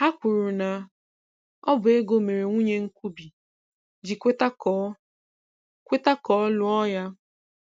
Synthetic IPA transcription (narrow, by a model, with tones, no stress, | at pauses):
ha˦kʷʊ˨ɾu˨na˨ | ɔ˦bʊ˨e˦ɡo˦me˨ɾe˨ŋʷu˦ɲe˦ŋ̩˦kʷu˦bi˨ | d͡ʒi˨kʷe˦ta˦kː | kʷe˦ta˦kɔ˦lʊ˦ɔ˦ja˦